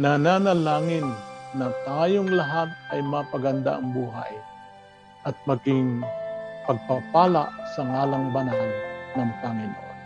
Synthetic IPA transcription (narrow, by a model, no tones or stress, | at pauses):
nananalaːŋɪnːɐt̪aːjoŋlaɦat̪̚ʔɐjmɐpaɡand̪a̰ʔɐŋbuːɦa̰j | ʔɐt̪̚mɐɡɪŋ | pɐɡ̚papaːla̰ʔsɐŋaːlaŋbanɦannɐŋpaŋɪnʔo̰n